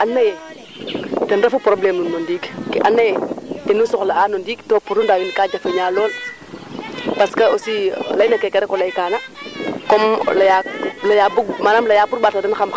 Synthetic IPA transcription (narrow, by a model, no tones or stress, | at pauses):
anːajɛ | tɛnɾafupɾoblemunmondiːɡkʔanːajɛtenːusɔxlaaːnondiːɡtoːpuɾundajunkaːd͡ʒafeɲaːlɔːl | paskaosilajnakekeɾekɔlajkaːnakomlajalajabuɡmanamlajaːbuɾbaɾtadɛnxam